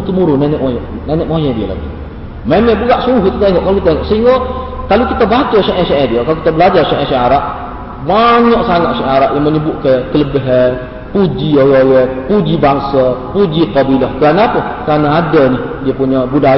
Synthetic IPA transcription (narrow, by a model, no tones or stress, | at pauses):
t̪umuɾʊnanɛʔwaj | nanɛʔwajɛdiəla̰ɡi | memɛbəɡaʔsuŋʊɦkit̪ut̪aiŋɔʔkalokit̪aiŋɔʔsəiŋɡokalokit̪əbat͡ʃəʃɛʔɛʃɛʔɛdiəkaloukit̪abəlad͡ʒarʃɛʔɛʃɛaɾaʔ | maɲɔʔsaŋat̪ʃɛaɾaʔjaŋməɲəbʊʔkəkələbəɦə | pud͡ʒioɣowɛpud͡ʒibaŋsəpud͡ʒiqəbilɔhkəɾanaːpəkəɾanaadənih | diəpuɲəbuda